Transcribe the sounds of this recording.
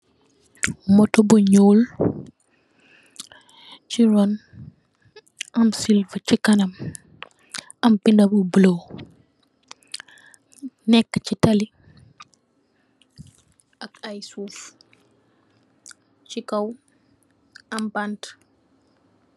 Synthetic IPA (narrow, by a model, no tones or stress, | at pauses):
mɔtɔbuɲoːl | t͡ʃiɾɔn | ɐmsilvəcikɐnɐm | ɐmpindɐbubəlow | nɛkːcitɐli | ɐkajsuːf | t͡ʃikɐw | ɐmbant